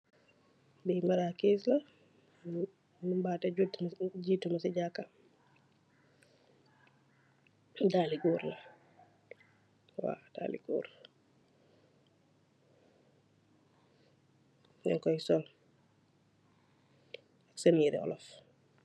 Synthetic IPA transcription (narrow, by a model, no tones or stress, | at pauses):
biːmaɾakis̬lɐ | nubaːtɛɟuɟiːtːumɐsiɟakːa | daːliɡuːɾlɐ | wa̰ːda̰ːlḭɡṵːɾ | nɛŋkɔjsɔl | aksəniɾɛ̰ɔ̰lɔf